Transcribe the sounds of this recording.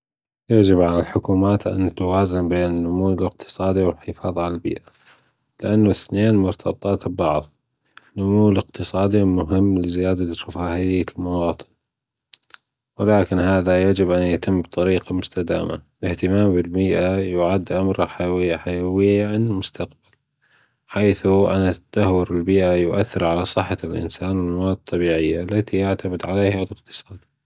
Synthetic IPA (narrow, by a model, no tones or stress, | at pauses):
jaʕd͡ʒɪbʕalɪlħʊkuːmaːt̪ʔa̰nt̪awaːzanbeːnɪnːʊmuːɪlɪq̚t̪ʰɨ̥sˤɑːd̪iwɪlħɪfɑːðˤʕalalbḭːʔa | lɪʔanːʊθneːnmʊɾt̪ʰɑbt̪ˤɑːt̪bɑʕðˤ | nʊmuːlɪq̚t̪ɨsˤɑːd̪imʊɦɪmːlɪzɪjaːd̪at̪afaːhɪjːalmawɑːt̪ˤɨ̥n | wɪlaːkɪnhaːðajad͡ʒɪbʔanjat̪ɪmːbɨt̪ˤɑɾiːqamʊst̪ad̪a̰ːma̰ | lɪht̪ɪmaːmbɪlmiːʔajʊʕad̪ːʔamɾɪlħajawɪjːaħajawɪjːaʕanɪlmʊst̪aqb̥al | ħaːθuʔanat̪ːad̪̥ahwʊɾɪlbiːʔajʊʔaθːɪɾʕalasˤɨħːɑlʔɪ̰nsaːnwɪlmawaːd̪̚t̪ˤːɑbiːʕɪjːalːat̪ijaʕt̪amɪd̪ʕalejhalɪqt̪ɨ̥sˤɑːd̪